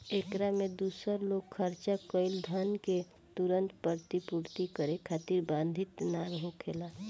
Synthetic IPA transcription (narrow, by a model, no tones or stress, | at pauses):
ekɾamed̪uːsəɾloɡ̚kʰəɾt͡ʃakəɪld̪ʱənke | t̪uɾənt̪pəɾt̪ipuɾt̪ikəɾekʰaːt̪iɾbãnd̪ʱit̪naɾɦõkʰeːla